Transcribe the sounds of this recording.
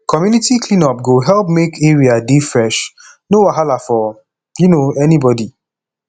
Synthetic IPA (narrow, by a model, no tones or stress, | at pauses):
kʰɔmjunitiklĩnɔp̚ɡoɦɛlp̚mekeɹiadefɹɛʃ | nowaɦalafɔ | jinoɛnibɔdi